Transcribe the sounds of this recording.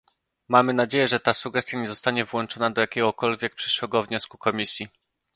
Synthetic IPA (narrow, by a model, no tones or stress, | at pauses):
mamɘnad͡ʑejɛʐɛt̪asuɡɛst̪jaɲɛzɔst̪aɲɛvwɔnt͡ʂɔnad̪ɔjakʲɛɡɔkɔlvʲjɛk̚pʂɘ̥ʂwɛɡɔvɲɔskukɔmʲisʲji